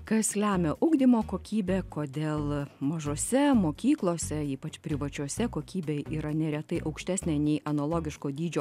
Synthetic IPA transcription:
kɐslʲæːmʲɛʔʊɡd̪ʲimoːkoːkʲiːbʲeːkoːd̪ʲeːlˠmɐʒoːsʲɛmoːkʲiːklˠoːsʲɛiːpɐt͡ʃpʲɾʲɪʋɐt͡ʃʲuoɔsʲɛkoːkʲiːbʲeːiːɾɐnʲɛɾʲɛt̪ɐɪʔɐʊkʃʲt̪ʲæːsʲnʲeːnʲɛɪɐnoːlˠoːɡʲɪʃkoːd̪ʲiːd͡ʒʲoː

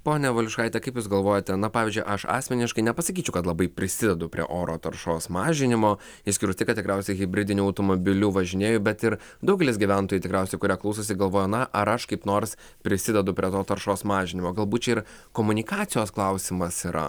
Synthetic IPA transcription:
poːnʲɛʋʊlʲʊʃkɐɪt̪ʲɛkɐɪpjuːsɡɐlˠʋoːjot̪ʲɛnɐpɑːʋʲizʲd͡ʒʊɪʔɐʃɑ̰ːsʲmʲɛnʲɪʃkɐɪnʲɛpɐsɐkʲiːt͡ʃʲɛʊkɐt̪lˠɐbɐɪpʲɾʲɪsʲɪd̪ʲɛd̪ʊpʲɾʲiɛ̰ʔoːɾoːt̪ɐɾʃoːsmɑːʒʲɪnʲɪmoː | ɪʃsʲkʲɪɾʊsʲt̪ʲɪkɐt̪ʲɪkɾʲæʊsʲɛɪɣʲɪbʲɾʲɪd̪ʲɪnʲuːɐʊt̪omobʲɪlʲuːʋɐʒʲɪnʲeːjʊbʲɛt̪ɪɾ | d̪ɐʊɡʲɛlʲɪs̬ʲɡʲiʋʲæˑnt̪oːjuːt̪ʲɪkɾʲæˑʊsʲɛɪkʊɾʲiːklˠɐʊsosʲɪɡɐlˠʋoːjonɐʔɐɾɐʃkɐɪpnoːɾs | pʲɾʲɪsʲɪd̪ʲɛd̪ʊpʲɾʲiɛt̪oːt̪ɐɾʃoːsmɑːʒʲɪnʲɪmoːɡɐlˠbuːt̪̚t͡ʃʲɛɪɾ | koːmʊnʲɪkɑːt̪sʲɪjoːsklˠɑʊsʲɪmɐsiːɾʔɐ̰

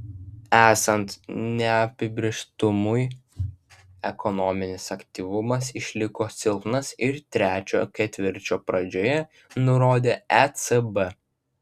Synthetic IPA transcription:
æːsɐnt̪nʲɛɐpʲɪbʲɾʲeʃt̪ʊmʊj | ɛkʰɔnɔmʲɪnʲɪsɐkʲt̪ʲiːʋʊmɐs̬ɪʃʲlʲɪkoːsʲɪlˠp̪nɐsɪɾt̪ʲɾʲæːt͡ʃʲo̰ːkʲɛt̪ʲʋʲɪɾʲt͡ʃʲoːpɾɐd͡ʒʲoːjɛ | nʊɾoːd̪ʲeːɛt̪sɛbɛ

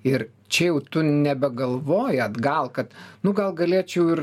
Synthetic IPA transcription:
ɪɾ | t͡ʃʲɛjɛʊt̪ʊnʲɛbʲɛɡɐlˠʋoːjɛt̪ɡɐlˠkɐt̪nʊɡɐlˠɡɐlʲeːt͡ʃʲɛʊɪr

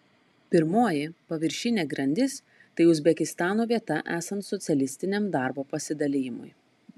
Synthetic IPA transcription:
pʲɪɾmoːjɪpɐʋʲɪɾʲʃʲɪnʲeːɡɾɐnʲd̪ʲɪs | t̪ɐɪʊzʲbʲɛkʲɪst̪ɑːnoːʋʲiɛt̪ɐʔæːsɐnt̪sɔt̪sʲɛlʲɪsʲt̪ʲɪnʲɛmd̪ɑˑɾboːpɐsʲɪd̪ɐlʲɪjɪmʊ̰j

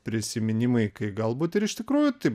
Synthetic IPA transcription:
pʲɾʲɪsʲɪmʲɪnʲɪmɐɪkɐɪɡɐlˠbuːt̪ɪɾɪʃʲt̪ʲɪkɾuːjʊt̪ɐɪ

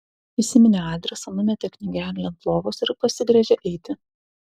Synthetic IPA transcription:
ɪsʲɪmʲɪnʲɛɑːd̪ʲɾʲɛsɐnʊmʲɛt̪ʲɛkʲnʲɪɡʲæːlʲlʲɛnp̪lˠoːʋosɪɾpɐsʲɪɡɾʲɛʒʲɛʔɛɪt̪ʲɪ

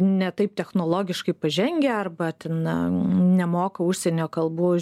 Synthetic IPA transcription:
nʲɛt̪ɐɪp̚t̪ʲɛxnoːlˠoːɡʲɪʃkɐɪpɐʒʲɛŋʲɡʲeɐrbɐt̪ʲɛn | nʲɛmoːkɐʊʃʲsʲɛnʲoːkɐlˠboː

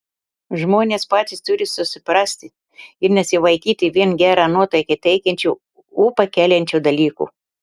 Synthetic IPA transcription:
ʒmoːnʲeːspɑːt̪ʲɪst̪ʊɾʲɪsʊsʲɪpɾɑːsʲt̪ʲɪ | ɪɾnʲɛsʲɪʋɐɪkʲiːt̪ʲɪʋʲiɛnɡʲæːɾɑːnuɔt̪ɐɪkɐt̪ʲɛɪkʲɛnʲt͡ʃʲuː | uːpɐkʲæːlʲɛnʲt͡ʃʲuːd̪ɐlʲiːkṵː

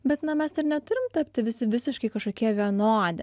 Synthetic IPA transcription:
bʲɛt̪nɐmʲɛsɪɾnʲɛt̪ʊɾʲɪmt̪ɐpʲt̪ʲɪʋʲɪsʲɪʋʲɪsʲɪʃkɐɪkɐʃkoːkʲiɛʋʲiɛnoːd̪ʲɛ

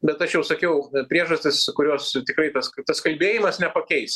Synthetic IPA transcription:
bʲɛt̪ɐʃjɛʊsɐkʲɛʊpʲɾʲiɛʒɐsʲt̪ʲɪskʊɾʲoːst̪ʲɪkɾɐɪt̪ɐskt̪ɐskɐlʲbʲeːjɪmɐsnʲɛpɐkʲɛɪs

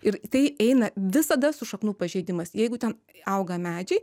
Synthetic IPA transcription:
ɪɾt̪ɐɪɛɪnɐʋʲɪsɐd̪ɐsʊʃɐknuːpɐʒʲɛɪd̪ʲɪmɐsjɛɪɡʊt̪ʲɛn | ɐʊɡɐmʲæːd͡ʒʲɛɪ

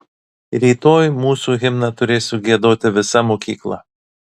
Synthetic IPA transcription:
ɾʲiːt̪oːjmuːsuːɣʲɪmnɐt̪ʊɾʲeːsʲʊɡʲiɛd̪oːt̪ʲɪʋʲɪsɐmoːkʲḭːklˠɐ̰

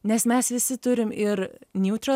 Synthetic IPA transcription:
nʲɛsmʲɛsʋʲɪsʲɪt̪ʊɾʲɪmɪɾnʲuːt̪ʲɾɐ

